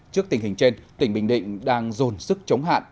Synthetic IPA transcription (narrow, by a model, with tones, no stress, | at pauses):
t͡ɕɨ˦˥ək̚t̪ï˩ŋ̟hï˨˩ŋ̟t͡ɕe˧nt̪ï˧˩ŋ̟ɓï˧˩ŋ̟ɗḭ̈˧˨ŋ̟ɗaː˧ŋzo˨˩nsɨ˦˥k̚t͡ɕə˨˦wŋ͡mɦa̰ː˧˨nʔ